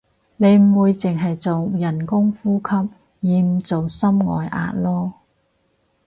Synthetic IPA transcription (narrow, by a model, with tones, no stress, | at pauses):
ne˨˧jm̩˨˩wuː˨˧jt͡sɪ˨˩ŋɦɐ˨jt͡so˨wjɐ˨˩nkʊ˥ŋfuː˥kʰɐ˥p̚ | jiː˨˧m̩˨˩t͡so˨wsɐ˥mŋɔ̰ː˨jʔa̰ː˧t̚lɔː˥